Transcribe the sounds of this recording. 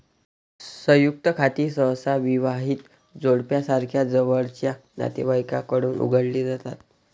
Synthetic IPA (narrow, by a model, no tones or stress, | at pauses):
səjuk̚t̪əkʰat̪iːsə̃wsaʋiʋaɦiːt̪ | d͡zoɽpjasaɾkʰjad͡zəʋəɭt͡ɕjana̰t̪ibəjkakəɽuːnʔṵɡʱəɽliːd͡zat̪at̪̚